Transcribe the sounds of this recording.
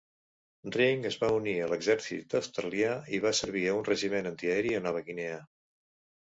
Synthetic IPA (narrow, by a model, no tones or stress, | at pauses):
driŋəzβauniələɡzɛɾsḭt̪əst̪ɾəliaiβ̞asəɾβ̞iəunrəʒimenənt̪iəɛɾiənɔβ̞əɣineə